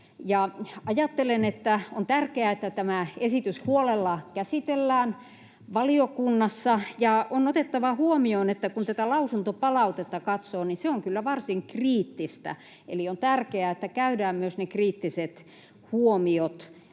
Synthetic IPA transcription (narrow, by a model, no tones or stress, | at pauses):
jɑɑjɑt̪ːelenet̪ːæont̪ærkeæet̪ːæt̪æmæesit̪yshuolelːɑkæsit̪elːæːn | ʋɑliokunːɑsːɑjɑonot̪et̪ːɑʋɑhuomioːnet̪ːækunt̪æt̪ælɑusunt̪opɑlɑut̪et̪ːɑkɑt̪soːniseoŋkylːæʋɑrsiŋkriːt̪ːist̪æ̰ | ḛliont̪ærkeæet̪ːækæydæːmmyøsnekriːt̪ːiset̪ | huomiot̪